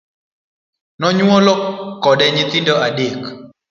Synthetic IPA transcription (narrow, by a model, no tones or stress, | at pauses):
nɔɲwɔlɔkɔɗɛɲɪt̪ɪndɔʔadek